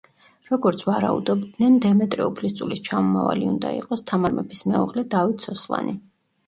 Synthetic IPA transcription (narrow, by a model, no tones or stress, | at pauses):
ɾɔɡɔɾt̪sʰvaɾa̰ud̪ɔbd̪nɛnd̪ɛmɛt̪ʼɾɛupʰlist̪sʼulist͡ʃʰamɔma̰va̰liund̪a̰ḭqʼɔst̪ʰamaɾmɛbismɛṵʁlɛd̪avit̪ʰsɔslˠa̰ni